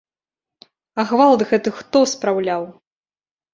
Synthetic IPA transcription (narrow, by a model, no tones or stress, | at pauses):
aɣvalˠd̪ɣɛt̪ɨxt̪ɔspɾawlʲaw